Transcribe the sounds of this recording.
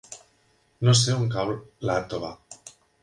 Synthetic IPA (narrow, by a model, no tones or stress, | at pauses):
nos̬euŋkalat̪oβa